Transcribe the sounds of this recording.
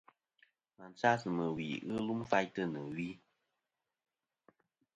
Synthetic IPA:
ma˨n˨t͡sa˦sɨ˨mɨ˨wḭ˨ɣɨ˦lu˦mfa˧jtə˦˧˨nɨ˨wi˦

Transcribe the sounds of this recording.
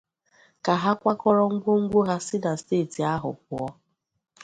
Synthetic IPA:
ka˨ɦa˦kʷa˦kɔ˦ɾɔ˦ŋ̩˦ɡʷo˦ŋ̩˦ɡʷo˦ɦa˦sɪ˦da˨steː˦˨ti˨a˦ɦʊ̰˨p̚ʊ˨ɔ˦

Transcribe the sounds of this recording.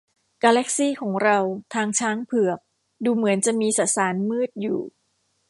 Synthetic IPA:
kaː˧lɛ˦˥k̚siː˥˩kʰɔː˩˦ŋɾa˧wt̪ʰaː˧ŋt͡ɕʰaː˦˥ŋpʰɯ˨˩ək̚ | duː˧mɯ˩˦ənt͡ɕa˨˩ʔmiː˧sa˨˩saː˩˦nmɯː˥˩t̪̚jṵː˨˩

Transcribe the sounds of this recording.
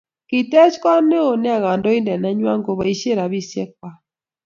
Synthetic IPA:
ki˨tɛ˦t͡ʃka˦ne˦o˨ne˦a˦˨ɣa˨ndɔ˦i˦ndɛ˨nɛ˦ɲwa˦ŋɡo˨βa˨i˦ʃe˦ɾa˨βi˦sjɛ˦k̚wa˦

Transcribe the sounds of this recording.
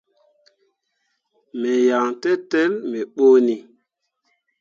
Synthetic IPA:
me˨ja˨ŋtɛ˦tɛ˦lme˨ɓo˦ni˨

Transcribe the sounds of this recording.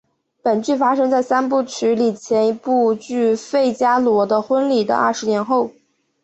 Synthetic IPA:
pə˨˩nt͡ɕy˥˩fa˥ʂɤ˥ŋt͡sa˥˩ɪsa˥np̬u˥˩t͡ɕʰy˧˥li˨˩t͡ɕʰjɛ˧˥ni˧˥pu˥˧t͡ɕy˥˧fe˥˩ɪt͡ɕja˥lwɔ˧˥d̪ə˧xwə˥nli˨˩d̪ə̰˦ɐ̰˥˩ʂɻ̩˧˥njɛ˧˥nxo˥˩ʊ

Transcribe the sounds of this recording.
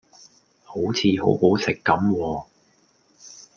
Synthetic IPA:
ho˨˥wt͡sʰiː˨˧ɦo̰˨˥who˨˥wsɪ˨kːɐ˨˥mwɔː˧

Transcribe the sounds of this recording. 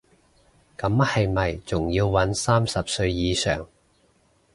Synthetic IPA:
kɐ˨˥mhɐ˨jmɐ˨jt͡sʊ˨˩ŋjiː˧wwɐ˨˥nsaː˥msɐ˨p̚sɵ˧ɥjiː˨˧sœ̰ː˨˩ŋ

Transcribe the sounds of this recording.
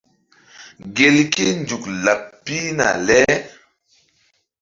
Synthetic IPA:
ɡe˨lki˦nd͡ʒu˨kla˨pːi˦na̰˨lɛ˦

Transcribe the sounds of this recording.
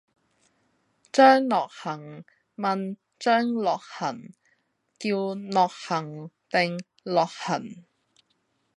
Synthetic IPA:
t͡ʃœː˥ŋlɔː˨˩k̚hɐ˨˩ŋ | mɐ˨˧n | t͡ʃœː˥ŋlɔː˨k̚hɐ˨˩n | t̪iː˧wnɔː˨k̚hɐ˨˩ŋt̪ɪ˨ŋ | lɔː˨k̚hɐ˨˩n

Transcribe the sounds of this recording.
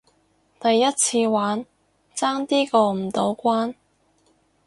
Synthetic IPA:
t̪ɐ˨jːɐ˥t̚t͡sʰiː˧waː˨˥n | t͡saː˥ŋt̪iː˥kɔː˧m̩˨˩t̪o˨˥wkʷaː˥n

